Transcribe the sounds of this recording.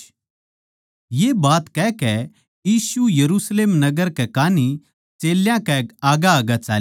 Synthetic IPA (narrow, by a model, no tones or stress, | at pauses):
jeːbaːt̪kɛkɛ | jiːsujɐɾusleːmnɐɡəɾkɛkaːni | t͡ʃeːljãkɛaːɡaaːɡat͡ʃaːl